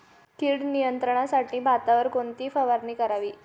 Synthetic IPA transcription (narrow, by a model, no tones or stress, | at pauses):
kilɽnijənt̪ɾəɳ̃asaʈʰĩːbʱat̪aʋəɾkoɳt̪iːfəʋaɾniːkəɾaʋiː